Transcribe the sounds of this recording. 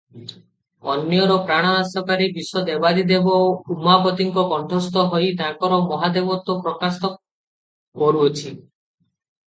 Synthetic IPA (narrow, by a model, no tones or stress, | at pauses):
ɔnjɔɾɔpɾaɽ̃aasɔkaɾibisɔd̪ebad̪id̪ebɔpumapɔt̪iŋkɔkɔɳʈʰɔst̪ɔɦɔjt̪ãkɔɾɔmɔɦad̪ebɔt̪ːɔpɾɔkasɔ | kɔɾuɔt͡ʃʰi